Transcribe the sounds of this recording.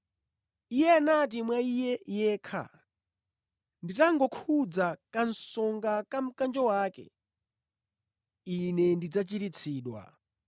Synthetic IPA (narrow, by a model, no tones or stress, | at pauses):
ijɛanat̬imwaijɛjɛːkʰa̰ | nditaŋɡɔkʰud͡zakansɔŋɡakam̩kand͡ʒɔwaːkɛ̰ | inɛndid͡zat͡ʃiɾit͡sʰiːɗwa̰